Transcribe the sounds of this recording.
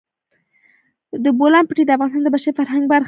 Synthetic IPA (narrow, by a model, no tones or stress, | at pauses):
d̪əbolɑmpəʈed̪əafɣɑnɪst̪ɑnd̪əbaʃaɾfaɾɦaŋɡbaɾx